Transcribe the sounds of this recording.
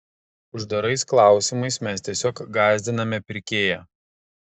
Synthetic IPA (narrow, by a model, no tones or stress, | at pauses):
ʊʒd̪ɐɾɐɪsklˠɑˑʊsʲɪmɐɪsmʲɛst̪ʲiɛsʲoːkɡɑːzʲd̪ʲɪnɐmʲɛpʲɪɾʲkʲeːjɛ